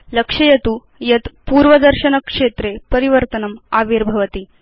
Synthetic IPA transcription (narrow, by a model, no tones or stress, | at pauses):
ləkʂɐjɐt̪u | jɐt̪puːɾʋɐd̪əɾɕɐnəkʂet̪ɾepəɾiʋəɾt̪ənɐmaʋiɾbʱɐʋɐt̪i